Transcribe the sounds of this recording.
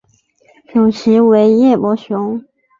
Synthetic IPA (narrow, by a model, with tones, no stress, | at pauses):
ʈ͡ʂu˨˩ɕi˧˥we˧˥ɪjɛ˥˩mwɔ˧˥ɕjʊ˧˥ŋ